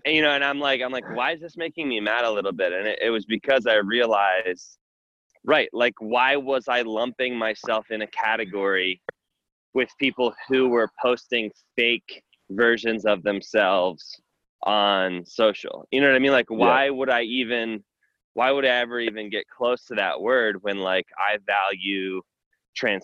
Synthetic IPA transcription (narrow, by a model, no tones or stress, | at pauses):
ɨjɨñoʊɨ̃ñãɪ̃mlaɪkãɪ̃mlaɪkwaɪɨzðɪsmeɪkɪ̃ŋmimæɾəəlɪɾl̩ˠbɪɾɨ̃nɪɾʔɪ̰t̚wʌzbɨkʰʌzaɪɹiəlaɪz̥ | ɹaɪʔ̚laɪkwaɪwʌzaɪlʌ̃mpɪ̃ŋmaɪsɛlˠfɨ̃nɨkʰæɾɨɡɔɹi | wɪð̥pʰipl̩ˠhuwə˞pʰoʊstɪ̃ŋfeɪk | vɜ˞ʒɨ̃nzʌvðɨ̃msɛlˠvz̥ | ʔn̩soʊʃl̩ˠjʔɨnoʊʌaɪmĩnlaɪkwaɪwəɾaɪivɨ̃n | wʔaɪwəɾaɪɛvə˞ivɨ̃nɡɛt̚kʰl̥oʊstʰɨðɨ̰ʔwɜ˞d̚wɨ̃nlaɪkʰa̰ɪvælˠjʉ | tʰɹ̥æ̃n